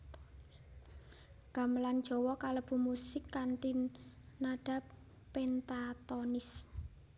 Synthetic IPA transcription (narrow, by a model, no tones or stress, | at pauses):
ɡ̥a̤məland̥ʒ̥ɔ̤wɔkaləb̥ṳmusɪkːant̪in | naɖ̥a̤pː | ɛnt̪at̪ɔnɪs